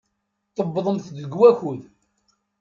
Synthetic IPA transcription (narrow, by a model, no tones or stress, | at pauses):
t̪ˤːəbːðˤəmθðəɡwæçuð